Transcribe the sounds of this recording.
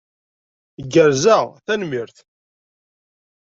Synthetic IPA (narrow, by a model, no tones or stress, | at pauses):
ɡːəɾzæθænmiɾθ